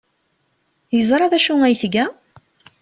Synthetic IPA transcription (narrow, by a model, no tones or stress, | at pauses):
jəzˤɾˤɑðæʃuŋæjθɡæ